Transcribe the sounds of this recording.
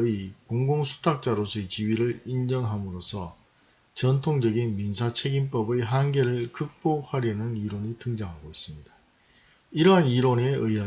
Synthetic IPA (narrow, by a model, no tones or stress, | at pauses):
ikoŋɡoŋsʰu̥tʰak̚t͡ɕ͈aɾosʰʌet͡ɕiɥiɾɯɭind͡ʑʌŋɦamɯɾosʰʌ | t͡ɕʌntʰoŋd͡ʑʌɡinminsʰat͡ɕʰe̞ɡimp͈ʌbeɦanɡe̞ɾɯɭkɯk̚p͈ok̚haɾjʌnɯniɾonitɯŋd͡ʑaŋɦaɡois͈ɯmɲidḁ | iɾʌɦaniɾone̞ɯiɦa